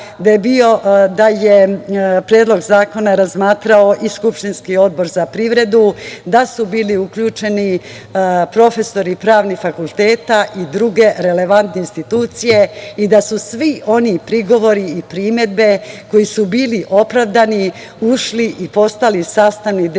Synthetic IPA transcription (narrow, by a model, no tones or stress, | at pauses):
d̪ajebio̞d̪aje̞pɾeːd̪lo̞ɡzaːko̞naɾazmaːt̪ɾao̞ʔiskupʃt̪inskio̞d̪̚bo̞ɾzapɾiʋɾe̞d̪ud̪asubiːliukʎuːt͡ʃe̞ni | pɾo̞fe̞so̞ɾipɾaːʋnifakulˠt̪e̞ːt̪aʔid̪ɾuɡe̞ɾe̞le̞ʋant̪neinst̪it̪uːt̪sije̞id̪asusʋiʔo̞nipɾiɡo̞ʋo̞ɾiːpɾime̞d̪̚be̞ko̞jisubiːliʔo̞pɾaʋd̪ani | uʃliʔipo̞st̪alisaːst̪aʋnid̪